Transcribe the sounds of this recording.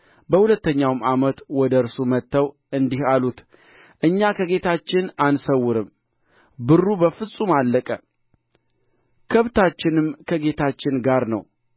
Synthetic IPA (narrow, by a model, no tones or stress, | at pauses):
bəhulət̪ːəɲːawmamət̪wɔd̪əɨɾsumət̪ːəw | ʔɨnd̪ihalut̪ | ʔɨɲːakʰəɡe̞t̪ʰat͡ʃːɪnansəwːʊɾɨm | bɨrːubəfɨsʼumalːəkʼə | kʰəβt̪ʰat͡ʃːɪnɨmkʰəɡe̞t̪ʰat͡ʃːɪnɡaɾnəw